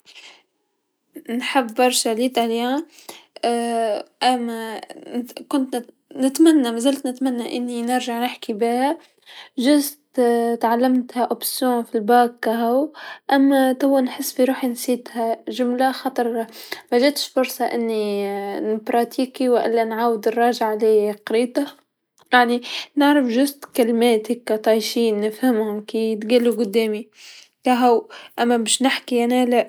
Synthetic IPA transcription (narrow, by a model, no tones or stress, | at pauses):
nħabːɑɾˤʃaliːt̪alja | ʔamːa | kʊnt̪n | nɪt̪manːamazalt̪nɪt̪manːaʔɪnːinɪɾʒaʕnɪħkibiːha | ʒʊzt̪t̪ʕalːamt̪haʔobsjoːnfilbaːkːaɦawʔamːat̪awːanħɪsːfiɾuːħinsiːd̪haʒʊmlaxɑt̪ˤɑɾˤmaʒeːt̪ʃfʊɾsˤɑʔɪ̰nːinbɾˤɑt̪ʰiːkiwɪʔɪ̰lːanʕaːwɪd̪ɪrˤːɑːʒaʕlejqɾiːt̪a | jaʕninɪʕɾɪfʒʊst̪kɪlmeːt̪ɪkːat̪ˤɑjʃiːnːɪfhɪmhʊmkiːt̪ɡilːuɡʊd̪ːeːmi | kaɦawʔamːabeːʃnɪħkiʔanalaʔ